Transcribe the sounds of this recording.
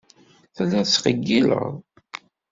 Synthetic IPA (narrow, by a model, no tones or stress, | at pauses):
θəlːæət͡sːqəɡːilə̰ʁðˤ